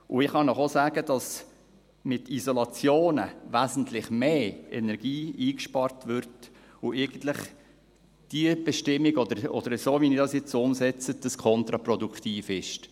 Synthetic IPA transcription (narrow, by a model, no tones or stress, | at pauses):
ʔʊɪχhɑndɔχosæːɡədɑs | mɪtizɔlɑt͡sjoːnə̰ʋæzn̩tlɪχmeːɛ̰nɛɾɡ̥iːiːkʃpɑɾtʋʏɾt | ʊʔɪɡ̥ən̩tlɪχ | d̥iəb̥ɛʃtɪmːiɡɔd̪əɾɔ̰d̥̪əɾsoːʋinɪdɑsjɛt͡sʊmsɛt͡sədəskʰɔnt̪ɾɑprɔdukχtiːfɪʃt